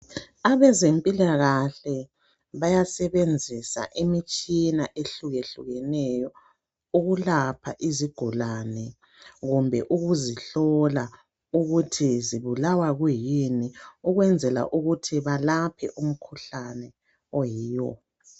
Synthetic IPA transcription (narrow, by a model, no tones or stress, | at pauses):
aβɛzempʼilaɣaɬɛ | βajasɛβend͡zʱisa̰ʔemit͡ʃʼinaʔeɬuɣeɬṵɣɛnɛjɔ | uɣulapʰa̰ʔiziɡ̥ʱulanɛ | ɣumbʱɛ̰ʔuɣuziɬɔla | uɣutʰiziβulawaɣwujiniuɣwɛnd͡zʱɛla̰ʔuɣutʰiβalapʰɛ̰ʔum̩kʰuɬanɛ | ɔjiːjɔ̰